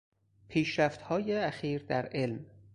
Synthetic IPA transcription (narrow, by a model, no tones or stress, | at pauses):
pʰiːʃɾæft̪hɒːjeæxiːɾd̪æɾʔe̞lm